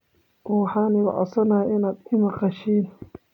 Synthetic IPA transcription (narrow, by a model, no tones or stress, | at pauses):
wɑħɑːnɪɣɑ̰ʕɔ̰sɐnaːʔɪnaːd̪ɪmɑqɑʃiːn